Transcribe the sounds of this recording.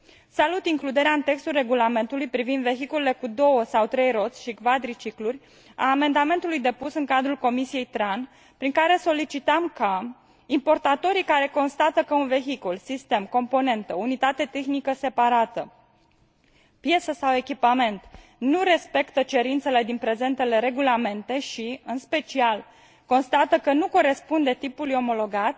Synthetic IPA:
salut̪iŋklud̪e̞ɾeaɨnt̪e̞kst̪ulre̞ɡulame̞nt̪ulujpɾivind̪ve̞çikulele̞kud̪o̞wəsawt̪ɾe̞jɾo̞t̪sʲʃiɡvad̪ɾit͡ʃiklurʲ | a̰ːme̞nd̪ame̞nt̪ulujd̪e̞pusɨŋkad̪ɾulko̞misije̞jt̪ɾan | pɾiŋkaɾe̞so̞lit͡ʃit̪əmka | impo̞rt̪at̪o̞ɾikaɾe̞ko̞nst̪at̪əkəunve̞ɦikulsist̪e̞mko̞mpo̞ne̞nt̪əunit̪at̪e̞t̪e̞xnikəse̞paɾat̪ə | pje̞səsawe̞kʲipame̞nt̪ | nuɾe̞spe̞kt̪ət͡ʃe̞ɾint̪se̞le̞d̪inpɾe̞ze̞nt̪e̞le̞ɾe̞ɡulame̞nt̪e̞ʃiɨnspe̞t͡ʃial | ko̞nst̪at̪əkənuko̞ɾe̞spund̪e̞t̪ipulujo̞mo̞lo̞ɡat̪ʲ

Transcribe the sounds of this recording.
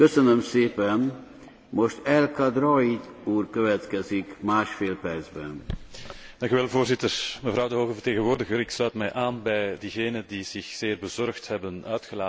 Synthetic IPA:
køsønømseːpɛn | moʃt̪ɛlkɒd̪rɔit̪ | uːrkøvɛt̪kɛzikmaːʃfeːlpɛrd̪zbɛ̰n | d̪ɑŋkyʋɛlˠvoːrzɪt̪ərməvɾɑwdəɦoːɣəvərt̪eːɣənʋoːrdəɣəɾɪkslœːt̪mɛjʔaːnbɛjdiːɣeːnədiz̥ɪxz̥eːrbəzɔrxt̪hɛbənœɥt̪xəlaː

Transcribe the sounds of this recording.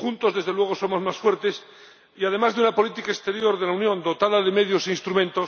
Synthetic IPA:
unt̪o̞zðe̞zðe̞lwe̞ɣ̞o̞so̞mo̞zmasfwe̞ɾt̪e̞s | iað̞e̞mazðeunapo̞lit̪ikaest̪e̞ɾjo̞ɾðe̞launjõ̞nd̪o̞t̪aðaðe̞me̞ðjo̞seinst̪ɾumẽ̞nt̪o̞s

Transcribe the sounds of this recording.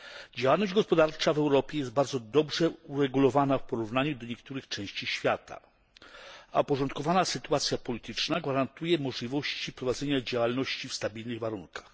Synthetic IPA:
d͡ʑawalnɔʑd͡ʑɡɔspɔd̪aɾt͡ʂavɛwɾɔpʲjɛjɛst̪̚baɾd̪zɔd̪ɔbʐɛuɾɛɡulɔvanafpɔɾuvnaɲud̪ɔɲɛkt̪uɾɘxt͡ʂɛ̃w̃ɕt͡ɕiɕfʲjat̪a̰ | apɔʐɔnt̪kɔvanasɘt̪uat̪sʲjapɔlʲit̪ɘt͡ʂnaɡvaɾant̪ujɛmɔʐlʲivɔɕt͡ɕipɾɔvad̪zɛɲad͡ʑawalnɔɕt͡ɕifst̪abʲilnɘɣvaɾunkʰḁx

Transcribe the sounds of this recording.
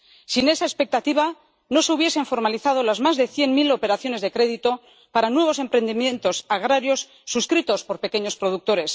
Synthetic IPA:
sine̞saespe̞k̚t̪at̪iβa | no̞seuβje̞se̞ɱfo̞ɾmaliθað̞o̞lazmazðe̞θje̞nmilo̞pe̞ɾaθjo̞ne̞zðe̞kɾe̞ðit̪o̞ | paɾanwe̞β̞o̞se̞mpɾe̞nd̪imjẽ̞nt̪o̞saɣ̞ɾaɾjo̞sːuskɾit̪o̞spo̞ɾpe̞ke̞ɲo̞spɾo̞ð̞uk̚t̪o̞ɾe̞s

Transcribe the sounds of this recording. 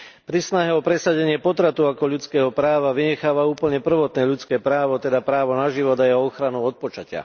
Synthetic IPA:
pɾisnaɦɛɔpɾɛsaɟɛɲɪɛpɔt̪ɾat̪uakɔʎut͡skɛːɦɔpɾaːʋaʋiɲɛxaːʋauːpl̩ɲɛpr̩ʋɔt̪nɛːʎut͡skɛːpɾaːʋɔt̪ɛd̪apɾaːʋɔnaʒiʋɔd̪ajɛɦɔɔxɾanuɔt̪̚pɔt͡ʃacɪa̰

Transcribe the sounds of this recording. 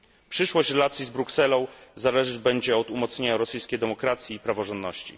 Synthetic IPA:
pʂɘʂwɔɕt͡ɕɾɛlat̪sʲjizbɾuksɛlɔ̃w̃zalɛʐɘd͡ʑbɛɲd͡ʑɛɔt̪umɔt̪sɲeɲaɾɔsɘjskʲejd̪ɛmɔkɾat̪sʲjiːpɾavɔʐɔnd̪nɔɕt͡ɕḭ

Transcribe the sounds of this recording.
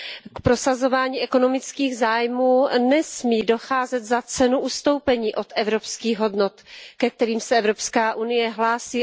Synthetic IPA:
kpɾo̞sazo̞vaːɲiːʔɛko̞nomɪt͡skiːɣzaːjmuːnɛsmiːdo̞xaːzɛt̪zat͡sɛnuʔust̪o̞wpɛɲiːʔot̪ɛvɾo̞pskiːɣɦo̞dnot̪kɛk̚t̪ɛɾiːmsɛɛvɾopskaːʔunɪjɛɦlaːsiː

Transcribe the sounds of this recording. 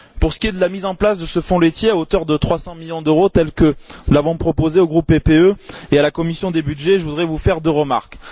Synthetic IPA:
puʁsə̥kʲied̪əlamizɑ̃plasd̪əsəfɔ̃let̪jeaot̪œʁd̪ət̪χwasɑ̃miljɔ̃d̪øʁot̪ɛlkənulavɔ̃pχɔpozeoɡʁupːepeøealakɔmisjɔ̃d̪ebyd̪ʒeʒəvud̪ʁɛvufɛʁd̪øʁəma̰ʁk

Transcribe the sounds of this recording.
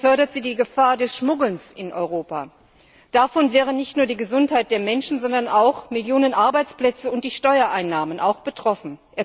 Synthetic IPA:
fœɐɾɐtz̥iːdiːɡəfaːɐdɛsʃmʊɡl̩nsɪnʔɔ̰ʏʁ̞oːpa | d̥afɔnvɛːʁ̞ənɪçtnuːɐdiːɡəzʊnthaɪt̚d̥eːɐmɛnʃn̩zɔndɐnʔaʊxmɪljoːnənʔaɐbaɪt͡splɛt͡səʊnt̚d̥iːʃtɔʏɐʔaɪnːaːmənʔa̰ʊxb̥ətʁ̥ɔfn̩ʔeːɐ

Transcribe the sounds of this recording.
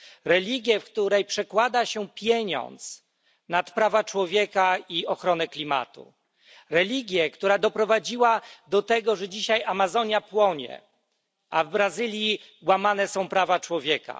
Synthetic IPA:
ɾɛlʲiɡʲjɛfkt̪uɾɛjpʂɛkwad̪aɕɛpʲjeɲɔ̰nt̪s | nat̪pɾavat͡ʂwɔvʲjɛkaiɔxɾɔnɛklʲima̰t̪ṵ | ɾɛlʲiɡʲjɛkt̪uɾad̪ɔpɾɔvad͡ʑiwad̪ɔt̪ɛɡɔʐɛd͡ʑiɕajamazɔɲjapwɔɲɛ̰ | avbɾazɘlʲji | wamanɛsɔ̃w̃pɾavat͡ʂwɔvʲjɛka̰

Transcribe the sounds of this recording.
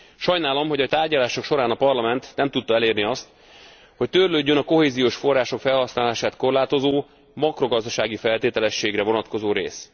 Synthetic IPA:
ʃɒjnaːlo̞mho̞ɟɒt̪aːrɟɒlaːʃo̞kʃo̞ɾaːnɒpɒrlɒmɛnt̪nɛmt̪ut̪ːɒɛleːrniɒst̪ | ho̞ct̪ørløːɟːønɒko̞ɦeːzijoːʃfo̞rːaːʃo̞kfɛlhɒsnaːlaːʃaːt̪ko̞rlaːt̪o̞zoː | mɒkro̞ɡɒzd̪ɒʃaːɡifɛlt̪eːt̪ɛlɛʃːeːɡrɛvo̞nɒt̪ko̞zoːɾḛːs

